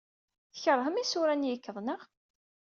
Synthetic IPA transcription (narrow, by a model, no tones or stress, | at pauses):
θəçəɾˤhəmisʊɾænjəkːəðˤnəʁ